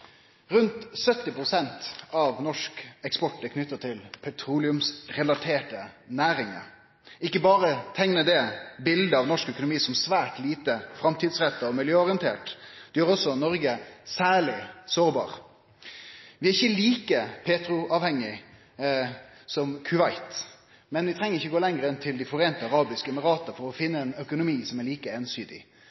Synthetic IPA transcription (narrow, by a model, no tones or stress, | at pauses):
ʁʉnt̪sœt̪ːɪpɾʊsɛnt̪ɑʋnɔʂkɛkspɔʈːəkʰnʏt̪ːət̪ʰɪlpʰɛt̪ʰɾuːlɪʉmsʁɛlɑt̪ʰeːʈənæːɾɪŋə̰ | ɪkːəbɑːɾət̪ʰɛŋnəd̪ɛbɪld̪əɑʋnɔʂkœkʊnʊmiːsɔmsʋæːʈliːt̪əfɾɑmt̪ʰiːd̪sʁɛt̪ːəɔmɪljøːɔʁɪənt̪ʰḛːʈd̪̥ɛjøːɾɔsːɔnɔɾɡəsæːɭɪsoːɾbɑ̰ːɾ | ʋɪæɾɪçːəliːkəpʰeːt̪ɾʊɑːʋhɛŋːɪ | sɔmkʰʉʋɑɪt̪ | mɛnʋɪt̪ʰɾɛŋːəɾɪçːəɡoːlɛŋɾəɛnt̪ʰɪld̪ɪfɔɾeːnt̪əɑɾɑːbɪskəɛməɾɑːt̪əfɔɾɔfɪnːəɛnœkʊnʊmiːsɔmæɾɭiːkəeːnsyːd̪ɪ̰